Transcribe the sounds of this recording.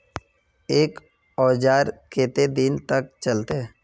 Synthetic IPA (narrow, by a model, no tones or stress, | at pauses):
eːk | ɔːd͡ʒaːɾkʰeːt̪ed̪ɪnt̪ək̚t͡ʃəlt̪eɛ